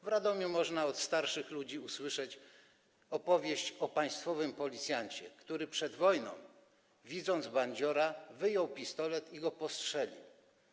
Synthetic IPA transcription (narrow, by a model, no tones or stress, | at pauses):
vɾad̪ɔmʲumɔʐnaɔt̪st̪aɾʂɘxlud͡ʑiuswɘʂɛt͡ɕ | ɔpɔvʲjeɕt͡ɕɔpaj̃st̪fɔvɘmpɔlʲit̪sʲjaɲt͡ɕɛ̰kt̪uɾɘpʂɛd̪vɔjnɔ̰̃w̃ | vʲid̪zɔnd̪zbaɲd͡ʑɔɾavɘjɔwpʲist̪ɔlɛt̪iɡɔpɔstʂɛlʲḭw